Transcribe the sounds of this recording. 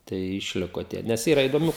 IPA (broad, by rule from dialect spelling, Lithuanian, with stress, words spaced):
ˈtɐɪ ɪʃʲˈlʲɪkoː ˈtʲiɛ ˈnʲɛs ˈiːrɐ ɪdoːˈmʲuː